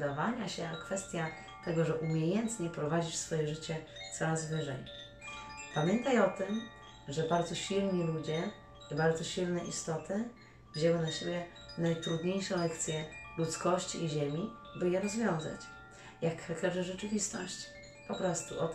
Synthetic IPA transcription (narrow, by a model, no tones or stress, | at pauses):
d̪avaɲaɕɛakfɛst̪ʲja | t̪ɛɡɔʐɛʔumʲjejɛnt̪ɲɛpɾɔvad͡ʑit͡ɕsfɔjɛʐɘt͡ɕɛt̪sɔɾazvɘʐɛj | pamʲjɛnt̪ajɔt̪ɘm | ʐɛbaɾd̪zɔɕilɲilud͡ʑɛ | ibaɾd̪zɔɕilnɛʔist̪ɔt̪ɘ | vʲʑɛwɛ̃d̪laɕebʲjɛ | najt̪ɾud̪ɲejʂɛlɛk̚t̪sʲjɛlut̪skɔɕt͡ɕiːʑemʲi | bɘjɛɾɔzvʲjɔ̃w̃za̰t͡ɕ | jakxɛkɛʐɛʐɛt͡ʂɘvʲist̪ɔɕt͡ɕ | pɔpɾɔst̪uʔɔ